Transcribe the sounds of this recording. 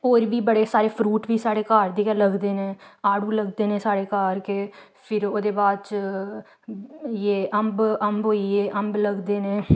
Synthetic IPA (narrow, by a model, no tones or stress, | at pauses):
oːɾbiːbəɽeːsaːɾeːpʰɾuːʈbiːsaːɽeːkaːɾd̪eːkələɡd̪eːnẽːaːɽuːləɡd̪eːnẽːsaːɽeːkaːɾke | pʰɪɾoːd̪eːbaːd̪t͡ʃ | jeːʔəmbəmbɦoːiːeːʔəmbləɡd̪eːnẽː